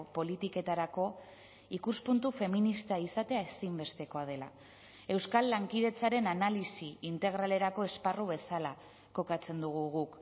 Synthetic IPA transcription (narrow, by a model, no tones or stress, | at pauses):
po̞lit̪ike̞t̪aɾako̞ | ikuspunt̪ufe̞minist̪aisat̪e̞aesimbe̞st̪e̞ko̞að̞e̞la̰ | e̞wskalːaŋkið̞e̞t͡saɾe̞nanalisiint̪e̞ɣɾale̞ɾako̞e̞sparuβe̞sala | ko̞kat͡se̞nd̪uɣ̞uɣ̞uk